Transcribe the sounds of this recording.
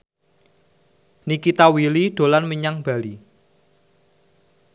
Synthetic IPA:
nikit̪awiliɖ̥o̤lanməɲaŋb̥a̤li

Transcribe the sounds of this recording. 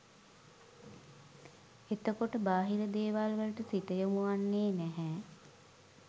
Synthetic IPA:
et̪əkoʈəbaːɦiləd̪eːʋalʋələʈəsit̪əjomuʋanːeːnæɦɛː

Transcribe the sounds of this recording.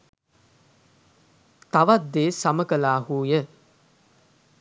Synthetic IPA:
t̪aʋat̪d̪eːsaməkəlaːhuːjə

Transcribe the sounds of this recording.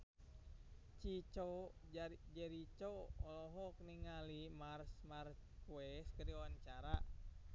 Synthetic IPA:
t͡ʃit͡ʃɔ | d͡ʒɛɾit͡ʃɔɔlɔɦɔk̚niŋalimarsmarskuɛskədiwaɲt͡ʃaɾa

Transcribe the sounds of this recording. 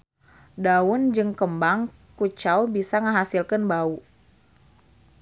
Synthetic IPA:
daʊnd͡ʒɨŋkəmbaŋ | kut͡ʃawbisaŋəɦasilkənbau

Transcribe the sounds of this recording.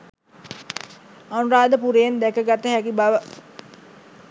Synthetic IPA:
anuɾaːd̪əpuɾejnd̪ɛkəɡat̪ːəɦækibaʋə

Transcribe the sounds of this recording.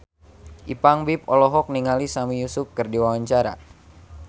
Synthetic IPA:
ʔipaŋbip̚ɔlɔɦɔk̚niŋalisamijusʊp̚kɨrdiwawaɲt͡ʃaɾa̰

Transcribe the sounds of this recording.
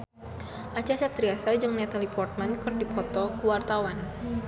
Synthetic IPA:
ʔat͡ʃasɛp̚t̪ɾiasad͡ʒɨŋnɛt̪alipɔrt̪̚mankɨrdipʰɔt̪ɔkuwart̪awan

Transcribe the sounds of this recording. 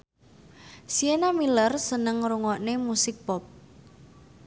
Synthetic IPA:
sienamilərsənəŋɾuŋɔʔnemusɪk̚pɔp̚

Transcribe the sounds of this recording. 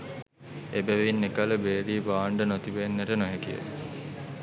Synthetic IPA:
ebæʋinːekaləbeːɾiːbaːɳɖənot̪iʋenːəʈənoɦekijə̰

